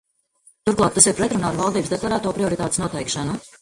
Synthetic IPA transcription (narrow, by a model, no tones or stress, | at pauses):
t̪uɾklˠɑːk̚t̪asiɾpɾɛt̪ɾunaːaɾvɑlˠd̪iːbsd̪eklˠaɾaːt̪uɔpɾiɔɾit̪aːt̪esnuɔt̪ɛjkʃanu